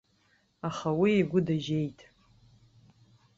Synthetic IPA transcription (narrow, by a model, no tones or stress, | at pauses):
aχawieɡʷʊdaʒe̞jtʼ